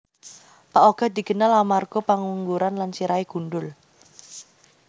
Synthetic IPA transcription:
paʔoɡ̥a̤d̪̥i̤ɡ̥ənalamarɡ̥ɔpaŋuŋɡuɾanlansiɾaeɡ̥unɖʊl

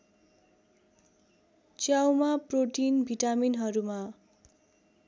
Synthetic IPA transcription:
t͡sjawmaproʈinbʱiʈaminɦʌɾuma

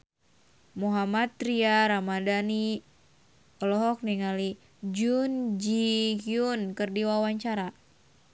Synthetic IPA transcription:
muɦamat̪ːɾiaɾamadani | ɔlɔɦɔk̚niŋali | d͡ʒund͡ʒihiunkɨrdiwawaɲt͡ʃaɾa

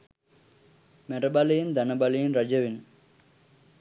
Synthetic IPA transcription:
meɾɐbɐlɐjind̪ɐnɐbɐlɐjinɾɐd͡ʒɐʋin

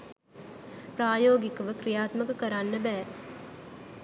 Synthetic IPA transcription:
praːjoːɡikəʋəkɾijaːt̪məkəkəɾanːəbɛː

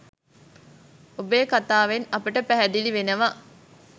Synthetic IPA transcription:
obejːkat̪aːʋenɐpəʈəpæɦæd̪iliʋenəʋa

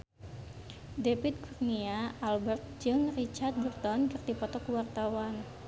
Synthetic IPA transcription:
depit̪̚kurniaalbərt̪̚d͡ʒɨŋrit͡ʃart̪̚bərt̪ɔnkɨrdipɔt̪ɔkuwart̪awan

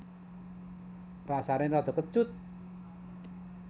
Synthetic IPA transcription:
rasaɾɪrɔd̪̥ɔ̤kə̥ʒ̥ʊt̪̚

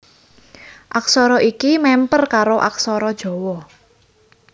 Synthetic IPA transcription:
ʔaksɔɾɔʔikimɛmpərkaɾoʔa̰ksɔɾɔd̥ʒ̥ɔ̤wɔ

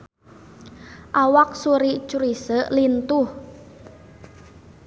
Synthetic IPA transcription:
ʔawak̚suɾiʔt͡ʃuɾisəʔlint̪uh

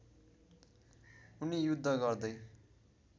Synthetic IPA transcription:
unijud̪ʱːʌɡʌrd̪ʌj

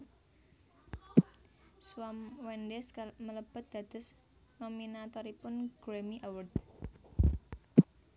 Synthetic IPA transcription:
swamwɛndɛskmələb̥ə̤t̪̚d̪̥ä̤d̪̥ə̤s | nominat̪ɔɾipʊnɡ̥ɾemiʔawərd̪

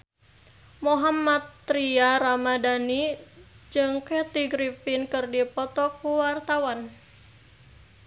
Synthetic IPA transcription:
moɦamat̪ːɾiaɾamadanid͡ʒɨŋkɛt̪iɡɾifinkɨrdipɔt̪ɔkuwart̪awan

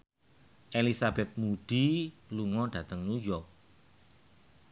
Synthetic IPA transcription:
ʔelisabɛt̪̚muɖ̥iluŋɔɖ̥ä̤t̪əŋnujɔ

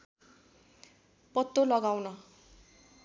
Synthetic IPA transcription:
pʌt̪ːolʌɡawnʌ

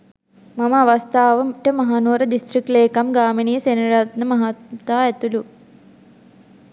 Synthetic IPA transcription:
mɐməaʋɐst̪ʰaːʋɐmʈəmɐɦaːnoːɾəd̪isʈ̪rik̚ʈleːkamɡaːminijəsenɐɾat̪nəmɐɦat̪aːæt̪ulu

